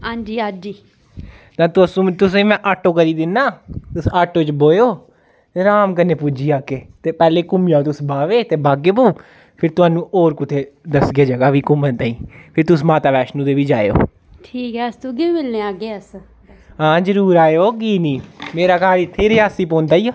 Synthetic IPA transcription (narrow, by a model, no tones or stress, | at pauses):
ãːɲd͡ʒiːad͡ʒiː | t̪ãːt̪ːsũːt̪ʊsẽːmɛ̃ːʔaːʈːoːkəɾiːd̪ɪnːaːt̪ʊsaːʈːoːt͡ʃboːjoː | t̪eːɾaːmkənːeːpuːd͡ʒiːaːkeːt̪eːpɛːleːkʊmijaːt̪ʊsbaːʋeːt̪eːbaːɡeːpuː | pʰɪɾt̪ʊaːnũːʔoːɾkʊt̪ʰeːd̪əsɡaːd͡ʒəɡaːʋiːkʊmənt̪ãːĩːpʰɪɾt̪ʊsmaːt̪aːbɛːʃnũːt̪eːʋiːd͡ʒaːeo̰ː | ʈʰiːkɦɛːəst̪ũːkiiːmɪlnẽːaːɡeːəs | ɦãːd͡ʒəɾuːɾaːoːkiːniːmeːɾaːkaːɾit̪ʰːeːɾeːaːsiːpõːnd̪aːiːaː